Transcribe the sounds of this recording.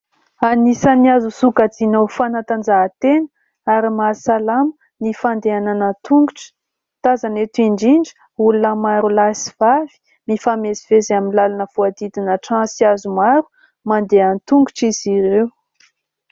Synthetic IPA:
anisaniazusukad͡zinowfanat̪and͡ʒaɦt̪enə | aɾimasalam | nifand̪eananət̪uŋɡuʈ͡ʂə̥ | t̪azanet̪uiɳɖ͡ʐiɳɖ͡ʐə̥ | ulunəmaɾulasi̥v̥av̥i̥ | mifamezivezaminlalanəv̥uad̪id̪inəʈ͡ʂãsiazumaɾu̥ | mand̪eant̪uŋɡuʈ͡ʂiziɾew

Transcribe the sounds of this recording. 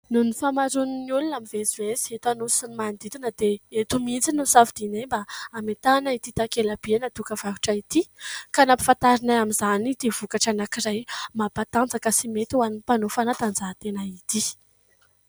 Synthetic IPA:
nunifamaɾuniniulunamivezuesiet̪anusinimand̪it̪unəd̪̥eet̪umind͡zinusavd̪inembaːmet̪anait̪it̪akelab̥ienət̪ukəv̥aɦu̥ʈ͡ʂait̪ikanapi̥fant̪aɾinaamizanid̪̥iv̥ukaʈ͡ʂanakiɾajmapat̪and͡zakəsimet̪uwanipanofanat̪and͡zat̪enait̪i

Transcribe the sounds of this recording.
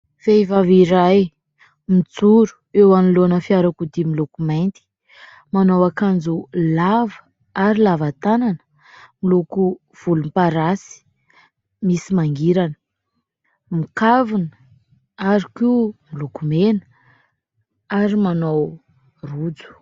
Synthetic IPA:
feivaviɾaj | mid͡zuɾu̥ | ewanilonəfiaɾakud̪imilukumajnt̪i̥ | manowakand͡zulavə | aɾilavat̪ananə | miluku | v̥ulumpaɾasi̥ | misimaŋɡiɾanə̥ | mikavunə | aɾikimilukumenə̥ | aɾimanow | rud͡zu̥

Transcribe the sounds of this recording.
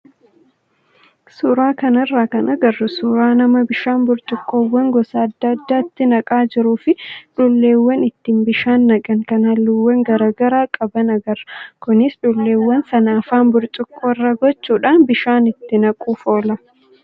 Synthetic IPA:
suːɾaːkɐnɐrːaːkɐnʔɐɡɐrːʊsuːɾaːnɐmɐbɪʃaːnbʊɾt͡ʃʼɪkʼːoːwːɐŋɡɔsaːɐd̪ːɐɐd̪ːaːɪt̪ːɪnɐkʼaːd͡ʒɪɾuːfɪᶑʊlːe̞ːwːɐnɪt̪ːiːmbɪʃaːnːɐɡʼɐŋkɐnɐlːʊwːɐŋɡɐɾaːɡɐɾaːkʼɐbɐnɐɡɐrɐkʊnɪsᶑʊlːe̞ːwːɐnsɐnaːfaːnbʊɾt͡ʃʼɪkʼːoːɪrːɐɡɔt͡ʃːuːᶑaːnbɪʃaːnɪt̪ːɪnɐkʼuːfo̞ːlɐ

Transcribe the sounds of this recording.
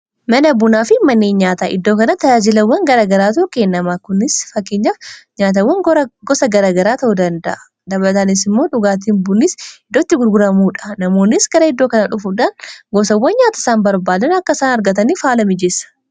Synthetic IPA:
mɐnɐbʊnaːfɪmɐnːeːɲaːt̪aːʔɪd̪ːo̞ːkɐnɐt̪ɐd͡ʒaːd͡ʒɪlɐwːɐŋɡɐɾaːɡɐɾaːt̪ɐukeːnːɐmaːkʊnɪsfɐkːeːɲːafɲaːt̪ɐwːɐŋɡɔsɐɡɐɾaːɡɐɾaːt̪ɐʔud̪ɐnd̪ɐ̰ʔɐ | d̪ɐblɐt̪ɐnɪs̬ɪmːo̞ːᶑʊɡaːt̪̬iːnbʊnːɪsɪd̪ːoːt̪ːɪɡʊɾɡʊɾɐmuːᶑɐ̥nɐmo̞ːnːɪsɡɐɾɐɪd̪ːo̞ːkɐnɐᶑʊfuᶑanɡɔsɐwːɐnɲaːt̪ɐsaːnbɐɾbaːd̪ɐnɐkːɐsaːnɐɾɡɐt̪̬ɐniːfaːlɐmɪd͡ʒɛsɐ̥

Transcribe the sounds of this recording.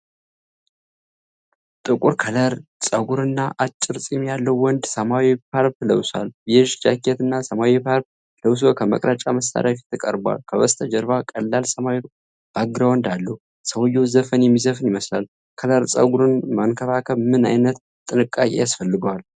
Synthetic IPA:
t̪ʼɨkʼuɾkʰələɾsʼəɡuɾɨnːaʔat͡ʃʼːɪɾt͡sʼimjalːəwːɔnd̪səmawipʰaɾpləwsaljɛʒd͡ʒakːet̪ɨnːasəmawipʰaɾp̚ | ləws̬okʰəmə̰kʼɾət͡ʃʼaməsa̰ɾafi̥t̪ʰːɨkʼə̰ɾba̰lkʰəwəst̪ʼʰəd͡ʒɛɾβakʼəlːalsəmawi | b̥aɡɨɾawɔnd̪alːəhu | səwojːowzəfənjɛmːizəfɨnjɪməslal | kʰələɾsʼə̰ɡuɾɨnmankʰəβakʰəβmɨna̰jnət̪ | t̪ʼːɨnɨkʼːakʼejasfəlːɨɡəwal

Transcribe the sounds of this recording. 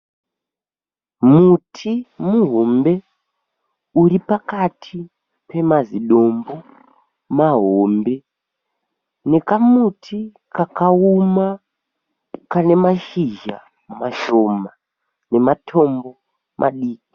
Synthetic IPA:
mutʰimuɦombe̞ | uɾipakatʰi | pe̞maziɗo̞mbo̞ | maɦoːmbe̞ | ne̞kamutʰi | kakauma | kane̞maʃiʒa̰ | maʃoma | ne̞matʰo̞mbo̞ | mʔa̰ɗiːki̥

